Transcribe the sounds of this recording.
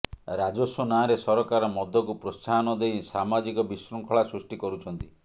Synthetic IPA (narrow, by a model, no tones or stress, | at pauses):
ɾad͡ʒosonaɾesɔɾɔkaɾɔmɔd̪ʱːɔkupɾost͡ʃanɔd̪ejsamad͡ʒikɔbisɾɔŋkʰɔɭasɾusʈikɔɾut͡ʃʰɔnt̪i